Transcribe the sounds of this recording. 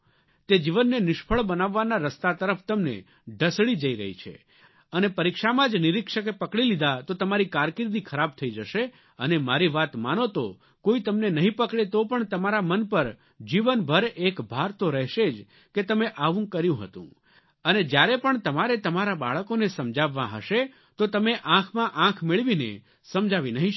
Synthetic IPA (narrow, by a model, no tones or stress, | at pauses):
t̪ed͡ʒiʋənːenɪʃpʰəɭbənaʋːanaɾəst̪at̪əɾəft̪əmnḛ | ɖʱəsɭid͡ʒəiɾə̰ɦḭt͡ʃʰḛ | ənepəɾikʃamãd͡ʒnɪɾɪkʃəkepəkɽilid̪at̪ot̪əmaɾikaɾkɪɾd̪ikʰəɾab̚t̪ʰəid͡ʒəʃe | ənemaɾiʋat̪manot̪o | koit̪əmnenəɦĩpəkɽet̪opəɳt̪əmaɾamənpəɾ | d͡ʒiʋənbʱəɾekbʱaɾt̪oɾɛɦʃed͡ʒ | ket̪əmeʔaʋũkːəɾjũɦə̰t̪ṵ̃ | əned͡ʒjaɾepəɳt̪əmaɾet̪əmaɾaba̰ɭəkonesəmd͡ʒaʋːãɦə̰ʃe | t̪ot̪əmeʔãkʰmãʔãkʰmɪɭʋinḛ | səmd͡ʒaʋinəɦĩ